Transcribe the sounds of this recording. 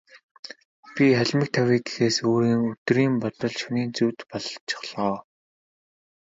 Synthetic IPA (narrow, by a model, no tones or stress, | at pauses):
pʲiχæɮʲmɪ̆k̚t̪ʰæwʲiːɡexeːsoːɾiːŋɵt̪riːmpɔt̪ɞ̆ɮʃuniːnt͡suwt̪pɔɮɞ̆ɬt͡ɕɪ̥̆χɮɔː